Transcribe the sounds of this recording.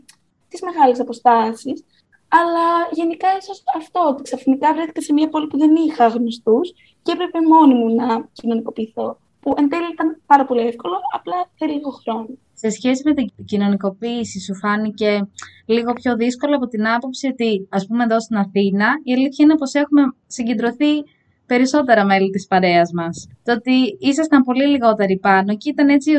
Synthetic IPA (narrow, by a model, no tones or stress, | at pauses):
t̪izme̞ɣɐlesɐpo̞st̪ɐsis | ɐlɐʝe̞nikɐisosɐft̪o̞ot̪i̥ksɐfinikɐvɾeθi̥cɐse̞miɐpo̞lipuðe̞nixɐɣnost̪us | ceepɾe̞pe̞mo̞nimunɐcino̞niko̞piːθo̞ | puʔend̪eliit̪ɐnpɐɾɐpo̞liefko̞lo̞ɐplɐθeliɣoxɾo̞no | se̞sçe̞sime̞t̪icino̞niko̞piːsisufɐnice̞liɣo̞pço̞ðisko̞loɐpo̞t̪inɐpo̞psio̞t̪iɐspume̞ðost̪inɐθinɐieliθçɐinɐpo̞se̞xume̞ | siɲɟe̞nd̪ɾo̞θi | pe̞ɾiso̞t̪e̞ɾɐme̞lit̪ispɐɾe̞ɐzmɐst̪oot̪iisɐst̪ɐmpo̞liliɣo̞t̪e̞ɾipɐno̞ceit̪ɐne̞t͡si